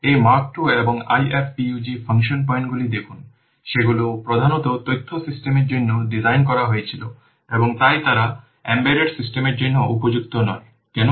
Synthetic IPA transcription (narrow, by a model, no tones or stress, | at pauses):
ejmaɾk̚ʈueboŋa̰jefbiud͡ʑifʰaŋʃonp̬ɔj̃ɳʈɡulid̪ekʰun | ʃeɡulopɾod̪ʱanot̪ot̪ojt̪ʰːosisʈemeɾd͡ʑonːoɖizajnk̬ɔɾaɦoet͡ɕʰilo | eboŋt̪ajt̪aɾa | embeɖeɖsisʈemeɾd͡ʑonːoʔupod͡ʑuk̚t̪onɔe | kɛno